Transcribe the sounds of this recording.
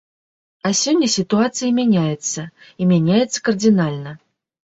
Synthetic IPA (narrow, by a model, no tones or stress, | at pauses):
ɐsʲɔnʲːɐsʲit̪uat̪sɨjɐmʲanʲajɛt̪sːɐimʲanʲajɛt̪sːɐ̥kɐrd̪ʲinalʲnɐ